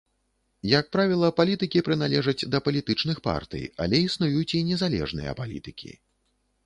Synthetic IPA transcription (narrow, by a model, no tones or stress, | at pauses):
jɐk̚pɾavʲilˠɐpalʲit̪ɨkʲipɾɨnalʲɛʐɐd͡zʲd̪ɐpɐlʲit̪ɨt͡ʂn̪ɨxpa̰rt̪ɨ̰ja̰lʲɛisnujut͡sʲinʲɛzalʲɛ̰ʐnɨ̰jɐ̰palʲḭt̪ɨkʲʰḭ